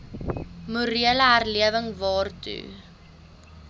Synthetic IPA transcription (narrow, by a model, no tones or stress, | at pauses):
muɾiələɦærliəvəŋvɑːrtṵ